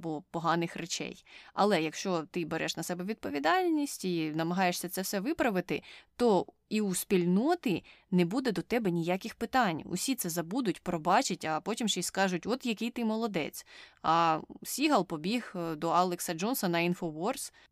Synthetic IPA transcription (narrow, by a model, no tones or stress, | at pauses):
bɔpɔɦɑnɪxret͡ʃɛ̰jɐ̰lˠɛjɐkʃt͡ʃɔt̪ɪbeɾʔɛʃnɐsɛbɛʋʲid̪̚pɔʋʲid̪ɑlʲnʲisʲtʲinɐmɐɦɑjeʃsʲɐt̪sɛwsɛʋɪpɾɐʋɪt̪ɪt̪ɔ | iuspʲilʲnɔt̪ɪ | nɛbud̪ɛd̪ɔt̪ɛbɛnʲijakʲɪxpɪt̪ɑnʲʊ̰sʲit̪sɛzɐbud̪ʊtʲpɾɔbɑt͡ʃɪtʲɐpɔtʲimʃɛjʲskɑʒʊtʲɔt̪jɐkɪjt̪ɪmɔlˠɔd̪ɛ̰t͡sʲɐsʲiɦɐlˠpɔbʲiɦd̪ɔalˠeksɐd͡ʒɔnsɐnɐinfɔʋɔrs